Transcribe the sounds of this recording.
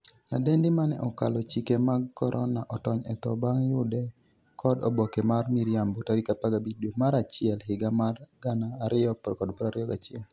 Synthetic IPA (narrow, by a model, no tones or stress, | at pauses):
a̰dendimanɛ̰ʔɔkalɔt͡ʃikemaɡkːɔɾʔɔnaʔɔtɔɲɛt̪ɔbaŋjʊdɛ | kʰɔdɔbɔkemarmiɾjambotaɾikapaɡabidomaɾat͡ʃɪɛlɦɪɡamarɡanaːɾɪɔpkɔdpɔɾaɾɪɔɡat͡ʃɪɛl